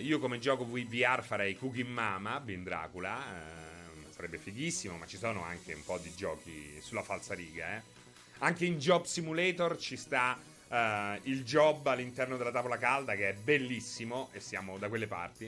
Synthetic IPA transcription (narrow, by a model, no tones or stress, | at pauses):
iːokomed͡ʒɔːkovuiviarfaɾɛjkukimːaːmabind̪ɾa̰ːkula | saɾɛbːefiɡisːimomat͡ʃːisoːnoa̰ŋkeṵmpɔd̪id͡ʒɔːkḭsulːafalsaɾiːɡa̰ɛ | aŋkeind͡ʒɔbsimulɛːt̪ort͡ʃist̪a | ild͡ʒɔbːalːint̪ɛrnod̪elat̪avolakald̪akeɛbelːisːimoʔesːjaːmod̪ak̬welːepa̰rt̪i